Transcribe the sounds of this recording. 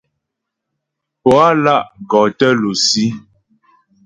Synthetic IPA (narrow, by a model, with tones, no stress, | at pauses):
pɔ˨a˦la˦˨ʔɡɔ˨tə˦lo˨si˦